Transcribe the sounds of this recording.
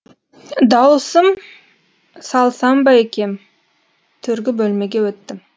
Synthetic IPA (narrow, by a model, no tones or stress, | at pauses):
d̪ɑwsəm | sɑlˠsɑmbɑjekʲe̞m | t̪ʰʏɾɡʲɪbɵlme̞ɡʲe̞wɵt̪ːɪm